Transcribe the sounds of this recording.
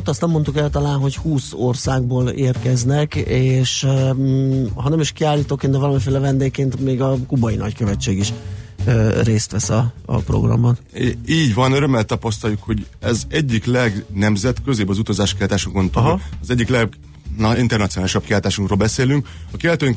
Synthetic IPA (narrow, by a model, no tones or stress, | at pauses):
ot̪ːɒst̪nɛmːo̞nt̪ukɛlt̪ɒlaːnɦo̞chuːso̞rsaːɡ̚boːleːrkɛznɛkeːʃ | ɦɒnɛmiʃkiaːlːiːt̪oːkend̪ɛvɒlɒmifeːlɛvɛnd̪eːkkeːnt̪meːɡɒkubɒjinɒ̰ckøvɛt͡ʃːeːɡiʃøreːst̪ʋɛsɒɒ̰pro̰ɡrɒ̰mːɒniːɟvɒnøɾømɛlt̪ɒpɒst̪ɒljukho̞ɟ | ɛzɛɟːiklɛɡnɛmzɛt̪køzeːbɒzut̪ɒzaːʃkiɒt̪aːʃuŋkont̪ɒzɛɟːiklɛɡ̪ | int̪ɛrnɒt̪sionaːliʃɒb̚kiɦaːlt̪aːʃuŋkroːlbɛseːlyŋkɒkeɛlt̪øːŋk